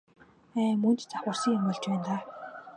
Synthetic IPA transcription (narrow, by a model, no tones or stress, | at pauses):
æːmɵnt̪t͡saχə̆rsiːŋemʊɮt͡ɕpæːnt̪aː